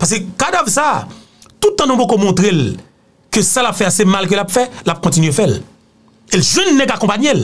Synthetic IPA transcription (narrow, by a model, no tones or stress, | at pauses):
pas̬kekad̪avsa | t̪ut̪ːãnũbokomɔ̃t̪ʁel | køsalapfɛasemalk̬ølapfɛlap̚kɔ̃tinɥefɛl | elʒwɛ̃nːɛ̃kakɔ̃paɲel